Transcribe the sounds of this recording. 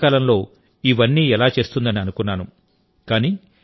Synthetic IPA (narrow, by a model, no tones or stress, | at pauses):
kaːlɐmlo̞ː | iʋɐnːiːɛlaːt͡ʃe̞ːst̪und̪ɐniɐnukunːaːnu | kaːniː